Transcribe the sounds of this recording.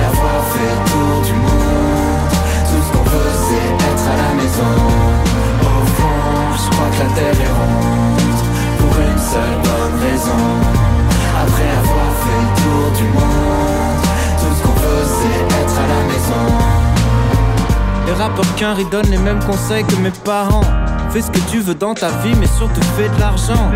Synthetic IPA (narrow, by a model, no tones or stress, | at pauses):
avwaʁfɛət̪uʁd̪ymɔ̃ | d̪ | t̪uə̥kɔ̃pø | sɛ | ɛt̪χalamɛzɔ̃ | o | fɔ̃ | ʒəkχwakəlat̪ɛʁɛʁɔ̃ | t̪ | puʁynsəlbɔnʁɛzɔ̃ | apχɛavwaʁfɛlət̪uʁd̪ymɔ̃ | d̪ | t̪usəkɔ̃pø | sɛ | ɛt̪χalamɛzɔ̃ | leʁapɔʁkʲɛ̃ʁid̪ɔnlemɛmkɔ̃sɛjkəmepaʁɑ̃fɛsə̥kət̪yvød̪ɑ̃t̪avimɛsyʁt̪ufɛd̪əlaʁʒɑ̃